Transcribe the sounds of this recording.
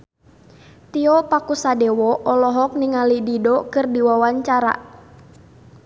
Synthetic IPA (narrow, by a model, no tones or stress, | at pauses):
t̪iɔpakusadɛwɔʔɔlɔɦɔk̚niŋalididɔkɨrdiwawaɲt͡ʃaɾa̰